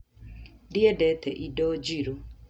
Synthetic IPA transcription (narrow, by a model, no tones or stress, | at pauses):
dɪɛdɛt̪ɛʔidɔd͡ʒiɾo